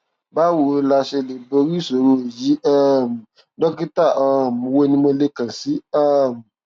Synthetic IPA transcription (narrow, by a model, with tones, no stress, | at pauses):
ba˦wo˨˧la˧ʃe˧le˨bo˧ɾi˦˨so˨ɾo˧˦˨ji˨˦a˦˨m̩˨ | dɔ˦ki˦ta˦˨ʔa˦˧˨m˨˧wo˦nĩ˧mõ˧le˧kã˨si˨˦a˦˨m̩˨